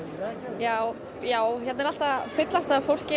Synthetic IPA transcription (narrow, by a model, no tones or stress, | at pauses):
jaːw | jaːwçɛt̪nɛɾal̥t̪afɪt̪last̪afowl̥cɪ